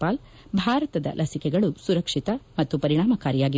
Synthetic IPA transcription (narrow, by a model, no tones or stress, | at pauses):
paːl | bʱaːɾɐt̪ɐd̪ɐ̰lʔɐsikɛɡɐɭusuɾɐkʂit̪ɐmɐt̪ːupɐɾiɳ̃aːmɐkaːɾijaːɡi